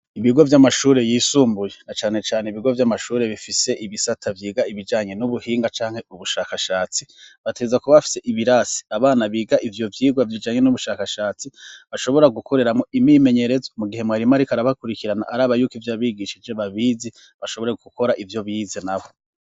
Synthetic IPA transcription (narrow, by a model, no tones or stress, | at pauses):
iβiɡo̞vjamaʃuːɾe̞jiːsuːmbujenat͡ʃaːne̞t͡ʃaːneiβiɡo̞vjamaʃuːɾe̞βifise̞ʔiβisatʰavjiːɡaiβid͡ʒaːɲe̞nuβuhiːŋɡat͡ʃaːŋhe̞uβuʃaːkaʃaːt͡siβatʰezakuβaβafi̥se̞ʔiβiɾasi̥aβaːnaβiːɡaʔivjo̞vjiːɡwavjid͡ʒaːɲe̞nuβuʃaːkaʃaːt͡siβaʃo̞βo̞ɾaɡukʰo̞ɾe̞ɾamŋoimime̞ɲe̞ɾe̞zomuɡihe̞mwaːɾimaɾikaɾaβakuɾikiɾana̰ʔaɾaːβajuːkivjaːβiːɡiʃid͡ʒeβaβiːzi | βaʃoβo̞ɾe̞ɡuko̞ɾaʔivjo̞βiːzenaho̞